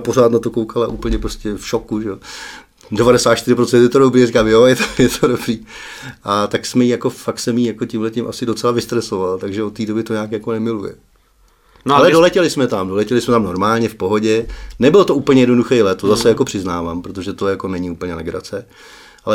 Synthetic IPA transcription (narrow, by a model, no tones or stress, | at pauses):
poɾaːt̪nat̪oko̞wkʰalaʔuːpl̩ɲɛpɾoscɛfʃokuʒɛo | dɛvaɾɛsaːt̪ʃt̪ɪɾɪpɾot͡sɛnt̪jɛt̪odobɾiːɾikaːmjojɛt̪o̥jɛt̪ʰodobɾiːʔat̪aksmɛjijako̞fakt̪sɛmjiːjako̞cɪmɦlɛcɪmʔasɪdo̞t͡sɛlavɪst̪ɾɛso̞valt̪aɡʒɛot̪ːiːdo̞bɪt̪o̞ɲaːkjakonɛmɪlujɛ̰ | nalɛdolɛcɛlɪsmɛt̪amdo̞lɛcɛlɪsmɛt̪amno̞ɾmaːlɲɛfpo̞ɦo̞ɟɛnɛbɪlot̪o̞ʔuːpl̩ɲɛjɛdno̞duxɛjlɛt̪ozasɛjakopr̥ɪznaːvaːmpɾot̪̬oʒɛt̪o̞jako̞nɛɲɪuːpl̩ɲɛnɛ̰ɡɾa̰t͡sɛ | ʔalɛ